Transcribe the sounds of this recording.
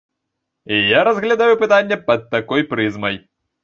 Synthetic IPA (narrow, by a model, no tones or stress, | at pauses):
ijaɾɐzɣlʲad̪ajupɨt̪anʲːɛpɐd̪̚ːakɔjpɾɨzmɐj